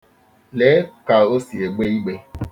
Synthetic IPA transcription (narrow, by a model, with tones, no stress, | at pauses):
leː˨˦ka˨o˦si˨e˨ɡ͡be˦i˦ɡ͡be˦